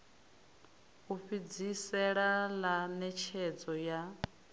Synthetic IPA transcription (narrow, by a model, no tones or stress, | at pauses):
uɸid͡zisɛɺalanɛt͡ʃʰɛd͡zɔja